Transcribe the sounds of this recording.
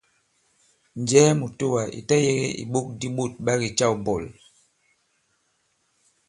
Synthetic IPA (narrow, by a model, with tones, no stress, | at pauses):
n˨d͡ʒɛ˦mu˨to˦wa˨ʔḭ˨tɛ˦je˦ɣḛ˦ʔḭ˨ɓo˦k̚di˦ɓu˦˨t̚ɓa˦ɣi˨t͡ʃa˦˨wbɔ˨l